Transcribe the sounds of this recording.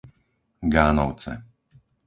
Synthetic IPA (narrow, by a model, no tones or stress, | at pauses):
ɡaːnɔwt͡sɛ̰